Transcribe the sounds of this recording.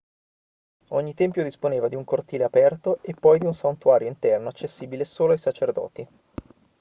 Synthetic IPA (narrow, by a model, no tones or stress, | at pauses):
oɲːit̪ɛmpjod̪isponeːvad̪iuŋkort̪iːleapɛrt̪oʔepːɔjd̪iunsant̪uaːɾjoint̪ɛrnoat͡ʃːesːiːbilesoːloajsat͡ʃerd̪ɔ̰ːt̪i